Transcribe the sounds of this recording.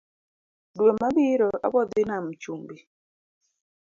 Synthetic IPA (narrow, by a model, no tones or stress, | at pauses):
dwemabiɾɔʔa̰bɔd̪ɪnamt͡ʃumbi